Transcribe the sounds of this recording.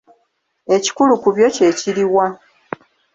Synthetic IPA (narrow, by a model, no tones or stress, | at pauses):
e̞ci̥kulukuβjo̞ce̞ciɾiwa